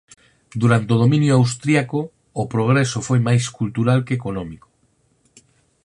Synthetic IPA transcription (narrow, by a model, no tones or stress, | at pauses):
d̪uɾant̪eoð̞omĩnjoawst̪ɾiakoː | pɾoɣ̞ɾesofojmajskult̪uɾalkekonɔmiko̥